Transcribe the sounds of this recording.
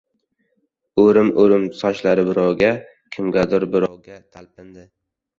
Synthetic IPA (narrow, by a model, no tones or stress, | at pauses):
ɵɾɪmoɾɪmsɒʃlaɾɪbɪɾɒwɡʲa | kʲʰɪmɡʲad̪ʊɾbɪɾɒwɡʲat̪ʰalp̚ɪnd̪ɪ